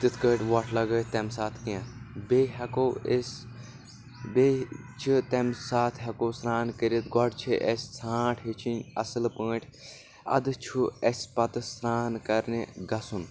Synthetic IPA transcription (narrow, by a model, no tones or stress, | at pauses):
t̪it̪ʰkəːʈʲʋɔʈʰlɐɡəːt̪emsaːt̪ʰkãbeɦɐkoes | be | t͡ʃʰit̪emsaːt̪ʰɦɐkosɾaːnkəɾit̪ɡɔɖt͡ʃʰiʔesʲsʰãːʈʰɦit͡ʃʰinʲɐ̰sɨlpə̃ːʈʲʰ | ɐ̰d̪ɨt͡ʃʰuesʲpɐt̪ɨsɾaːnkɐɾneɡɐsun